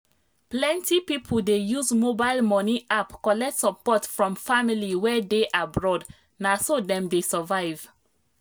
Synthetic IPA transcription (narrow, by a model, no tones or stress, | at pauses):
plɛ̃ntipipʰoldejuzmobaɪlmɔniʔapkɔlɛk̚tsɔpɔtfɹɔ̃mfamiliwɛdeʔabɹɔd | nasodɛ̃mdesəvaɪv̥